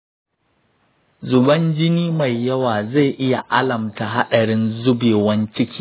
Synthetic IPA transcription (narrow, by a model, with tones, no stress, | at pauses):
zʊ˨bɐ˦nd͡ʒɪ˦niː˦ma˨jːɐ˦waː˨za˦˨jʔɪ˦ja˨ʔa˦lɐ˨mta˨ɦa˦ɗɐ˨ɽɪ˦nzʊ˦beː˨wɐ˦nt͡ʃɪ˦kʲiː˦